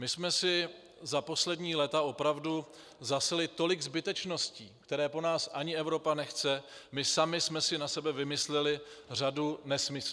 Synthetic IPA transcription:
mɪsmɛsɪ | zapo̞slɛdɲiːlɛt̪ao̞pɾavdu | zasɛlɪt̪o̞lɪɡzbɪt̪ɛt͡ʃno̞sciːkt̪ɛɾɛːpo̞naːsʔaɲɪɛvɾo̞panɛxt͡sɛmɪsamɪsmɛsɪnasɛbɛvɪmɪslɛlɪr̝adunɛsmɪs

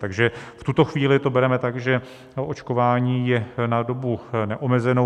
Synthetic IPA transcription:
t̪aɡʒɛft̪ut̪o̞xviːlɪt̪o̞bɛɾɛmɛt̪aɡʒɛ | ot͡ʃko̞vaːɲiːjɛnado̞bunɛʔomɛzɛno

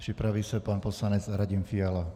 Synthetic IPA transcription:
pripɾaʋiːsapaːnpɔslaɲɛd͡zɾaɟimfiala

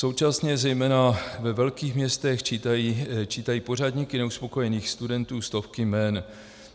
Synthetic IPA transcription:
so̞wt͡ʃasɲɛzɛjmɛːnavɛvɛlkiːxmɲɛst̪ɛxt͡ʃit̪ajit͡ʃiːt̪ajiːpo̞r̝adɲikɪnɛuspo̞ko̞jɛniːxst̪udɛnt̪uːst̪o̞fkɪmɛn

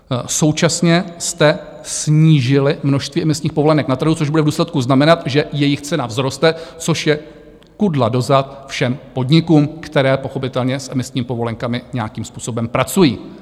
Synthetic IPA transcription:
so̞wt͡ʃasɲɛst̪ɛ | sɲiːʒɪlɪmno̞ʃst̪viːʔɛmɪsɲiːxpovo̞lɛnɛknat̪r̩ɦut͡soʒbudɛvduːslɛt̪kuznamɛnat̪ʒɛjɛjɪxt͡sɛnavzɾo̞st̪ɛt͡so̞ʃjɛ | kudla̰do̞zat̪̚fʃɛmpo̞dɲɪkuːmkt̪ɛɾɛːpo̞xo̞pɪt̪ɛlɲɛsʔɛmɪsɲiːmɪpo̞vo̞lɛŋkamɪɲɛakiːmspuːso̞bɛmpɾat͡sujḭː

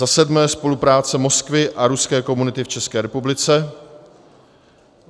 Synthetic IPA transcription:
asɛdmɛːspo̞lupɾaːt͡sɛmo̞skvɪʔaɾuskɛːko̞munɪt̪ɪft͡ʃɛskɛːɾɛpublɪt͡sɛ

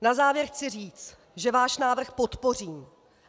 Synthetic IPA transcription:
nazaːvjɛɾxt͡sɪriːt͡st̪ | ʒɛvaːʃnaːvr̩xpo̞t̪po̞riːm

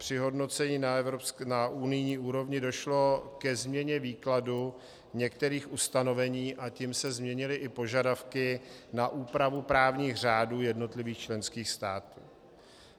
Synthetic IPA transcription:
pr̝̥ɪɦo̞dno̞t͡sɛɲiːnaɛvɾopsknaʔunɪjɲiːʔuːɾo̞vɲɪdo̞ʃlo̞kɛzmɲɛɲɛviːkladu | ɲɛkt̪ɛɾiːxʔust̪ano̞vɛɲiːʔacimsɛzmɲɛɲɪlɪʔɪpo̞ʒadafkɪnaʔuːpɾavupɾaːvɲiːxr̝aːduːjɛdno̞t̪lɪviːxt͡ʃlɛnskiːxst̪aːt̪uː

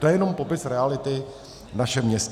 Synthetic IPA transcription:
t̪ojɛjɛno̞mpo̞pɪsɾɛalɪt̪ɪ | naʃɛmɲɛs

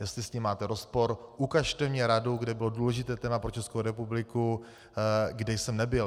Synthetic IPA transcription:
jɛst̪lɪsciːmːaːt̪ɛɾospo̞ɾʔukaʃt̪ɛvɲɛɾadowɡdɛbɪlo̞duːlɛʒɪt̪ɛːt̪ɛːmapɾot͡ʃɛskowɾɛpublɪku | ɡdɛjsɛmnɛbɪl

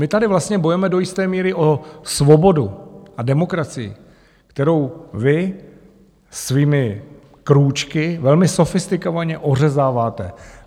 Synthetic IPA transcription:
mɪt̪adɪvlast̪ɲɛbo̞jɛmɛdo̞jɪst̪ɛːmiːɾɪʔo̞svo̞bo̞duʔadɛmo̞kɾat͡sɪjɪ̰ | kt̪ɛɾo̞wvɪ | sviːmɪ | kɾuːt͡ʃkɪvɛlmɪso̞fɪst̪ɪkovaɲɛʔo̞r̝ɛzaːvaːt̪ɛ

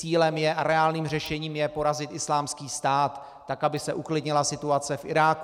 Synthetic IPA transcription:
t͡siːlɛmjɛʔaɾɛaːlniːmr̝ɛʃɛɲiːmjɛpo̞ɾazɪt̪ʔɪslaːmskiːst̪aːt̪ː | akabɪsɛʔuklɪdɲɪlasɪt̪uat͡sɛfʔɪ̰ɾaːk

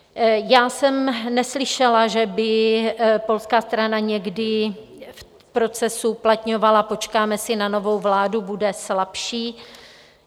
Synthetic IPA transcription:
jaːsɛmnɛslɪʃɛlaʒɛbɪ | po̞lskaːst̪ɾanaɲɛɡdɪf | pɾo̞t͡sɛsuplat̪ɲo̞valapo̞t͡ʃkaːmɛsɪnano̞vo̞wvlaːdubudɛslapʃiː

